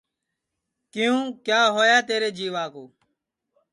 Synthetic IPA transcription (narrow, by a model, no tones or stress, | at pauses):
kɪjũːkjaːɦoːjaːt̪eːɾeːd͡ʒiːʋaːkoː